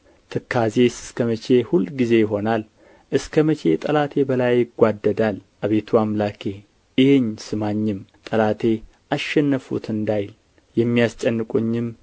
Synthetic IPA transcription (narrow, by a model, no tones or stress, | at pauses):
t̪ʰɨkʰːaze̞sɨskʰəmət͡ʃe̞hulɡize̞jɪɦo̞nal | ʔɨskʰəmət͡ʃʰe̞̰t̪ʼəlat̪ʰe̞bəlajːɪɡʷad̪ːəd̪alʔaβet̪ʰuamlakʰe̞ | ɨjeɲsɨmaɲːɪmt̪ʼəlat̪ʰe̞ | ʔaʃːɛnːəfṵt̪ɨnd̪ajl | jɛmːijast͡ʃʼɛnːɨkʼuɲːɪm